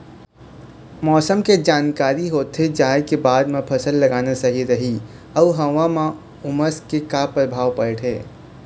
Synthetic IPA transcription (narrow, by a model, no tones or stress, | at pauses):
mɔːsəmked͡ʒaːnkaːɾiɦoːt̪ɦed͡ʒaːekebaːd̪mepʰəsəlːəɡaːnasəɦiɾəɦi | əuɦə̃ʋamã | ʊməskekapɾəbʱaːʋpəɪʈʰeː